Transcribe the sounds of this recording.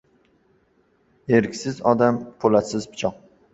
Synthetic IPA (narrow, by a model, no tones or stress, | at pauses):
eɾkʲsɪzɒd̪ampʰolasɪzpʰɪ̥t͡ʃʰɒq̚